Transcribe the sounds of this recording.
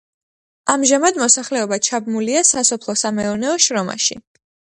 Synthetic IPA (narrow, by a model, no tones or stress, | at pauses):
amʒamad̪mɔsaχlɛɔbat͡ʃʰabmuliasasɔpʰlˠɔsamɛɔnɛɔʃɾɔma̰ʃḭ